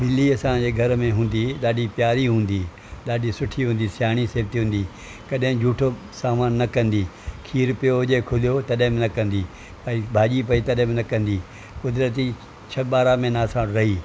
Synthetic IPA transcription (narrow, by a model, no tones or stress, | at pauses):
mɪlːiɐsãd͡ʑeːɡʱɐɾmẽɦũːnd̪iɗaːɗipjaːɾiɦũːn̆d̪iː | ɗaːɗisʊʈʰiɦũːn̆d̪isjaːɽ̃iseːb̚t̪iɦũːnd̪iː | kɐɗɦɪ̃d͡ʑʱuːʈʰo | saːmaːnːɐkɐ̃nd̪iːkʰiːɾpijoɦʊd͡ʑekʰʊlijot̪ɐɗɦɪ̃mɪnɐkɐ̃nd̪i | pɐibʱaːʄipɐit̪ɐɗɦɪ̃mɪnɐkɐ̃nd̪iː | kʊd̪ɾət̪̬i | t͡ɕʰɐɓaːɾamẽnaːsãɾɐɦiː